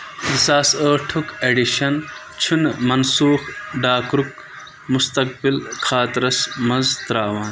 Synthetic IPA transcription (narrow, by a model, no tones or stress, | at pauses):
isaːsəːʈʰukeɖiʃɐn | t͡ɕʰunmɐnsuːxɖaːkɾuk | must̪ɐk̚bilxʰaːt̪ɾɐsmɐzt̪ɾaːwaːn